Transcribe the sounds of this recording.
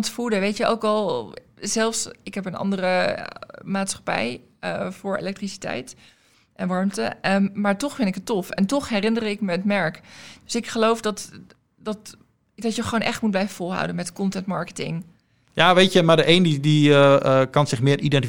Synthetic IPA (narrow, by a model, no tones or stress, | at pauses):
ntfudəʋejtjəʔo̰wkɑlˠzɛlˠfsɪkɦɛpənʔɑ̰ndərə | maːtsχḁpɛ̰j | fʊːɹḛlɛk̚trisi̥tɛ̰jt | ʔɛnʋɑɹmtə̰maːɹtɔχfɪnɪkɦətɔfɛ̰ntɔχɦɛrɪnərɪkməətmɛɹkddøsɪkχəlowfdɑt | dɑt | dɑtjəχʋoːnʔɛχtmud̚blɛjvəfɔlˠɦa̰wdənmɛtkɔntɛntmɑɹkə̥tɪ̰ŋ | jaʋejtəmadəʔejndidi | kɑnsɪχmɪːridɛnt